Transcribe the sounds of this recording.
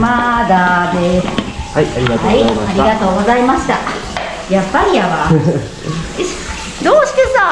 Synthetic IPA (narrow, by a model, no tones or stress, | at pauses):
mad̪ad̪eshaiaɾiɡaaiaɾʲiɡat̪o̞ːɡo̞zaimaɕi̥t̪a | japːaɾʲiaβa | d̪oːɕi̥t̪esa